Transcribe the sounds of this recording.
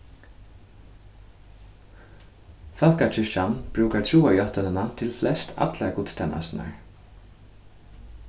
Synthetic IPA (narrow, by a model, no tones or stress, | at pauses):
fakat͡ʃʰʏʃanb̥ɾuːkat̪ʰuːajɔht̪ʏnɪnat̪ʰɪlflɛst̪ʰa̰t̪lakʊːt̪st̪ʰɛma̰sna̰ɹ